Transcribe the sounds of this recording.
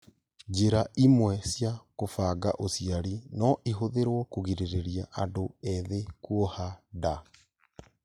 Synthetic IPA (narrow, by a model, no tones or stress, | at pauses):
d͡ʑeɾaʔimwɛsjakofaːɡa̰ʔosiaɾinɔʔiɦoðeɾwɔkoɣiɾeɾeɾiaʔadoɛðekwɔhada